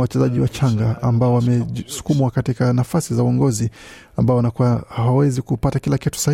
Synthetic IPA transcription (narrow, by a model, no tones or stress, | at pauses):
wat͡ʃɛzaʄiwat͡ʃaŋɡaa̰mbaɔwamɛsu̥kumwakatikanafasizauɔŋɡɔzi | ambaɔwanakuwahaawɛzikupatakilakɛtu̥sa